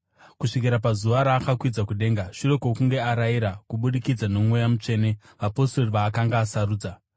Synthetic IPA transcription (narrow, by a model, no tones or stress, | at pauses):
kuʂik̬iɾapazuʋaɾaːkakwid͡zakuɗe̞ːŋɡaʂure̞ko̞kuŋɡe̞aɾaiɾakuɓuɗikid͡zano̞mwojamut͡ʂe̞ːne̞ | ʋapo̞storiʋaːkaŋɡaːsaɾuːd͡za